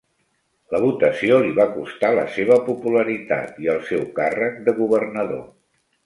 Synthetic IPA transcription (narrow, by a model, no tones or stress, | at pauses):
ləβut̪əsioliβakust̪alə̰seβ̞əpupuləɾit̪a̰t̪iəlˠsɛwkarək̚d̪əɣuβərnəðo̰